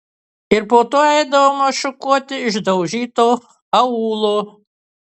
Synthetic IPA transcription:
ɪɾpoːt̪oːɛɪd̪ɐʋomɐʃʊkuɔt̪ʲɪɪʒd̪ɐʊʒʲiːt̪oː | ɐuːlˠoː

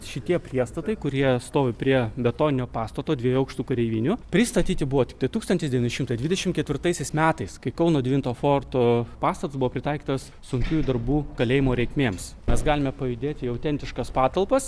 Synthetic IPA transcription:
ʃʲɪt̪ʲiɛpʲɾʲiɛst̪ɐt̪ɐɪkʊɾʲiɛst̪oːʋʲɪpʲɾʲiɛbʲɛt̪oːnʲɪnʲoːpɑːst̪ɐt̪oːd̪ʲʋʲiɛjuːɐʊkʃt̪uːkɐɾʲɛɪʋʲiːnʲʊpʲɾʲɪst̪ɐt̪ʲiːt̪ʲɪbuʋoːt̪ʲɪk̚t̪ɐɪt̪uːkst̪ɐntʲɪsd̪ʲɛʋʲɪnʲɪʃɪmt̪ɐɪjd̪ʲʋʲɪd̪ʲɛʃʲɪmt̪kʲɛt̪ʲʋʲɪrt̪ɐɪsʲɛɪsmʲæːt̪ɐɪskɐɪkɐʊnoːd̪ʲʋʲɪnt̪oːfoːrt̪oːpɑːst̪ɐt̪ʊsbʊʋoːpʲɾʲɪt̪ɐɪkʲiːt̪ɐs | sʊŋʲkʲuːjd̪ɐɾbuːkɐlʲeːjɪmoːɾʲɛɪkmʲeːms | mʲɛsɡɑːlʲɪmʲɛpɐjʊd̪ʲeːt̪ʲɪɐʊt̪ʲɛnt̪ʲɪʃkɐspɑːt̪ɐlˠpɐs

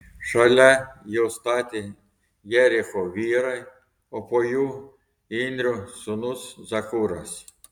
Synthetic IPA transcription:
ʃɐlʲajɛwst̪ɑt̪ʲɪ | jɛɾʲixɔʋʲiɾɐ | ɔpɔju | inʲd̪ʲɾʲʊsʊnuszɐkuɾɐ̰sʲ

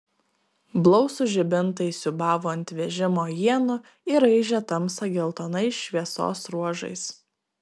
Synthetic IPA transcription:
blˠɔʊsʊʒʲɪbʲɪnt̪ɐɪsʲʊbɑːʋuɐnʲt̪ʲʋʲɛʒʲɪmoːjiɛnʊ | ɪɾɐɪʒʲɛt̪ɐmsɐɡʲɛlˠt̪oːnɐɪʃʃʲʋʲiɛso̰ːsɾuɔʒɐ̰ɪs

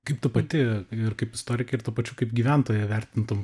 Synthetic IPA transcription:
kɐɪpt̪ʊpɐt̪ʲɪɪrkɐɪpɪst̪oːɾʲɪkʲɐɪrt̪upɐt͡ʃʲukɐɪpɡʲiːʋʲɛnt̪oːjɛʋʲɛrʲt̪ʲɪnt̪ʊm

